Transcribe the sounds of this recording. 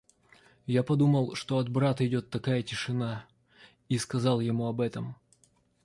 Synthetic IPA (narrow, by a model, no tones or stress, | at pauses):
japɐd̪uməlˠʂt̪o̞ɐd̪bɾat̪əɪdʲo̞t̪ːɐkajətʲɪʂɨna | iskɐzɑlˠjɪmuɐbɛt̪əm